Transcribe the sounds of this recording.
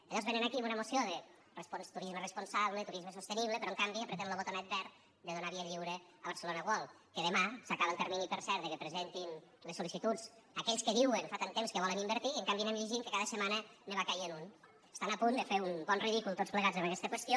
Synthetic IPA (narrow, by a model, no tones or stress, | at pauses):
əʎɔɾzβenənakimunəmosioðə | responst̪uɾizmərəspunsaβlət̪uɾizməsust̪eniβləpɾɔəŋkambiəpɾet̪emləβot̪onɛt̪̚bɛr | d̪əðunaβiəʎiwɾə | əβəɾsəlonəɣwɔlˠ | kəðəmasakaβəlˠt̪əɾminipəɾsɛɾðəkəpɾəzent̪inləsulisit̪ud͡z | əkɛʎskəðiwənfat̪ant̪emskəβɔlənimbəɾt̪iəŋkambinəmʎiʒiŋkəkaðəsəmanəneβakajenun | əst̪anapund̪əfeumbɔnriðikulˠt̪ott͡spləɣazəβəkɛst̪əkwəst̪jo